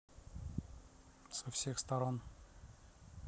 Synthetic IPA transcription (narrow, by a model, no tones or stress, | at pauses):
sɐfsʲexst̪ɐɾon